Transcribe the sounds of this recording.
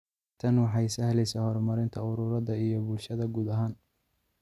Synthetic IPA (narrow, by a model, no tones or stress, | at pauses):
t̪ʰɐnwɑħɑjsɐhlɛjsaːhɔrmɐɾɪnt̪ʰɐʊɾʊːɾɐðɐijɔbʊlʃɐðɐɡuːd̪ɐɦaːn